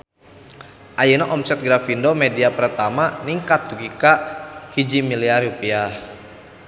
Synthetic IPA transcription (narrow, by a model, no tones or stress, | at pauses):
ʔajənaʔɔmsɛt̪̚ɡɾafindomediapərt̪amaniŋkat̪̚uɡikahid͡ʒimiliaɾupia